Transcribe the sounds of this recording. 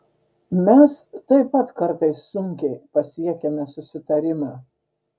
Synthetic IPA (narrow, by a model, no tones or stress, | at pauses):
mʲɛst̪ɐɪpɐt̪kɐɾt̪ɐɪsːʊŋʲkʲɛɪpɐsʲiɛkʲɛmʲɛsʊsʲɪt̪ɐɾʲɪmɑː